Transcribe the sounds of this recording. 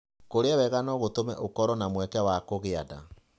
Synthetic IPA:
koɾeawɛɣanɔɣotomɛ̰ʔokɔɾɔnamwɛkɛwakoɣeada̰

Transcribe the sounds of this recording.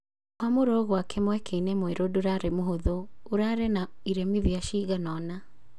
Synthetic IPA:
kwamoɾoɣwakʰɛmwɛkʰeinɛmweɾodoɾaɾemoɦoðoːɾaɾenaiɾɛmiðiaʃiɣanɔna

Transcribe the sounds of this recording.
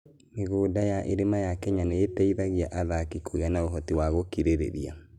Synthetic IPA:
meɣoːdajaʔeɾemajakɛɲaneːtɛiðaɣiaʔaðakikʰoɣianaoɦɔtiwaɣokiɾeɾḛɾḭa̰

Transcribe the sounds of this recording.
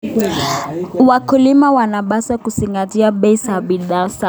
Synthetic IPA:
wakulimawanaɓasakusiŋɡatiaɓɛisaɓiɗasa

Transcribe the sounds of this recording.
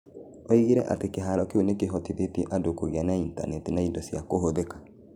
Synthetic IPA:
ɔiɣiɾɛ̰ʔa̰tekeɦaɾɔkeonekeɦɔtiβetiʔadokoɣeanainta̰nɛtinaindɔsjakoɦoðekḁ

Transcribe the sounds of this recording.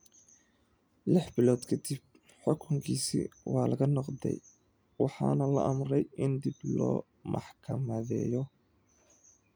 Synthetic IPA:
lɪħbɪlɔːd̪kʰɐd̪ib̚ | ħʊkʰʊŋkʰiːsḭwɑːlɐɣɐnɔqd̪ɛ̰j | wɑħɑ̰ːnɐlɐ̰ʔɐmrɛjɪnd̪ɪblɔ̰ː | mʔɑ̰ħkʰɐmɐðɛ̰ːjɔ

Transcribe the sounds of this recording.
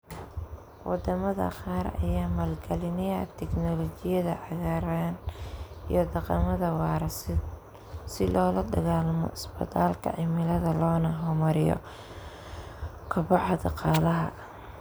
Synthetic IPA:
wɑ̰d̪ɐmɐðɐ̰qɑːɾɐ̰jaːmɐlɡɛlɪnɪ̰t̪ʰɛknɔlɔt͡ʃɪjɐðɐ̰ʕɑɣaːɾaːnḭjɔd̪ɑqɑmɐðɐwɑːɾɐs | sɪlɔːlɐd̪ɐɣaːlmɔ̰ɪsbɐ̰t̪ʰaːlkʰɐ̰ʕɪmɪlɐðɐlɔːnɐɦɔmɐɾɪjɔ̰ | kʰɐbɑħɑd̪ɑqɑːlɐɦɐ̰

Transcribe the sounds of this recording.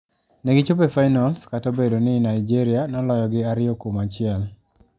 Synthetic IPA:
neɡɪt͡ʃʊpefajnalskatobedonɪnaɪd͡ʒiɾɪanɔlɔjɔɡɪaɾɪokomat͡ʃɪɛl

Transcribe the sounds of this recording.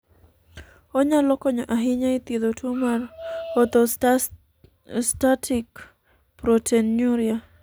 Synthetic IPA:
ɔɲalɔkɔɲɔʔaɦɪɲait̪ed̪otʰumarɔt̪ɔ | statʰik | pɾotʰenɲuɾja

